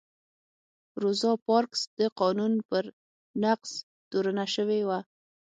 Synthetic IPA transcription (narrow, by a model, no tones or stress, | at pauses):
ɾʊzɑpɑɾksd̪əqɑnunpəɾ | naqs | t̪oɾənaʃəwewa